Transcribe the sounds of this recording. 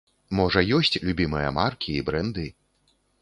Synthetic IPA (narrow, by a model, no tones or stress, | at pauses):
mɔʐɐjɔsʲt͡sʲlʲubʲimɨjɐ̰markʲiːbɾɛnd̪ɨ